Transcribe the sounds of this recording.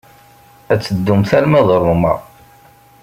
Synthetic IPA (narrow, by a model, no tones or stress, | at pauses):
æt͡sːəd̪ːumθælmæðˤɾˤʊmæ̰